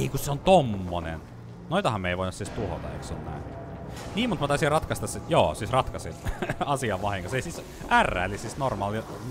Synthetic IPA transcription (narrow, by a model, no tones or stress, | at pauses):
eikusseont̪omːonḛn | noit̪ɑhɑmmeiʋoˑinusist̪uho̰t̪ɑ̰ḛiksonnæ̰in | niːmut̪mɑt̪ɑˑisirɑt̪kɑst̪ɑssit̪joːsiːsrɑt̪kɑsinɑsiɑʋʋɑhiŋkɑseisis | ʔærːæ̰ːlisisnormɑːljo